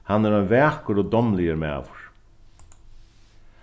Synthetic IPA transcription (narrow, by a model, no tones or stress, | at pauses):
hanːɛɾɔjvɛːkʊɾɔd̪ɔmlɪjəɾmɛ̰ːvʊɹ̥